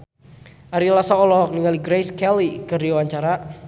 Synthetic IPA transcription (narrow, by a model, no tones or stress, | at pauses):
ʔaɾilasaɔlɔɦɔk̚niŋaliɡɾejskɛlikərdiwaɲt͡ʃaɾa